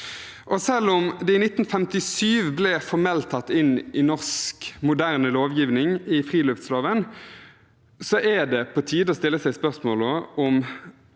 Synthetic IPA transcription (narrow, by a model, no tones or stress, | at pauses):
ʔɔsɛlːɔmd̪ɛɪnɪt̪ːn̩fɛmt̪ɪsyːʋblɛfɔʁmɛlt̪ʰɑt̪ːɪnʔɪnɔʁskmʊd̪æʁnəloːʋjiːʋnɪŋɪfʁiːlʉft̪sloːʋən | sɔʔæd̪ɛpʰɔt̪ʰiːd̪əɔːst̪ɪlːəsæɪspœʁsmoːləɔm